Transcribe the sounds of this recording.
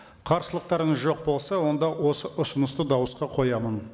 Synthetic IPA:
qʰɑɾsəlˠəq̚t̪ɑɾəɴəzʒo̞q̚bo̞lˠsɑwo̞nd̪ɑwo̞səʔʊsənəst̪əd̪ɑwəsqɑqʰo̞jɑmən

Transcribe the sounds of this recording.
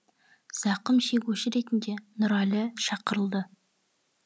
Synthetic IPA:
z̥ɑqəmʃe̞ɡʲuʃɪɾe̞t̪ɪnd̪e̞nʊɾɑlʲɪʃɑqəɾəlˠd̪ə

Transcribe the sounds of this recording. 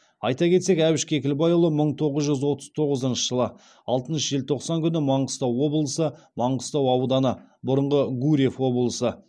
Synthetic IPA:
ɑjt̪ɑkʲʰe̞t̪se̞kæwɪʃkʲekʲɪlbɑjʊlˠəməɴt̪ʰo̞ʁəzʒʏzwo̞t̪ə̥z̥t̪ʰo̞ʁəzənʃə̥ʒ̥əlˠə | ɑlˠt̪ənʃəʒelt̪ʰo̞qsɑŋkʲʰʏnɪmɑɴqəst̪ɑwːo̞blˠəsə | mɑɴʁəst̪ɑwɑwd̪ɑnə | bʊɾəɴʁəɡuɾʲefwo̞blˠəsə

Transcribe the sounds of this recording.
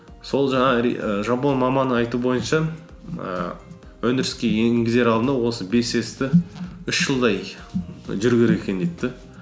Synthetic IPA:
so̞lˠʒɑɴɑʒɑpo̞nmɑmɑnəɑjt̪ubo̞jənʃɑ | ə̰ | wɵnɪɾɪskʲe̞jeŋɡʲɪze̞ɾɑlˠd̪ənɑwo̞səbe̞se̞st̪ɪʏʃʒəlˠd̪ɑj | ʒʏɾɡʲeɾekʲe̞nd̪ejt̪ːɪ

